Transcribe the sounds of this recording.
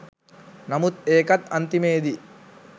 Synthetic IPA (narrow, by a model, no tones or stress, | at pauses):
nɐmut̪eːkɐt̪ɐnt̪imeːd̪i